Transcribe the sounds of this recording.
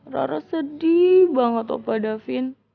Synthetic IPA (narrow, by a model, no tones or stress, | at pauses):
ra̰ɾəsədibaŋət̪ɔ̰padafɪn